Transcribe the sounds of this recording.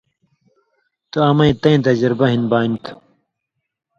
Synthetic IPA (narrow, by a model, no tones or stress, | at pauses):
t̪uɐmɐĩt̪ɐĩt̪ɐd͡ʑɾbɐɦinbaːint̪ʰ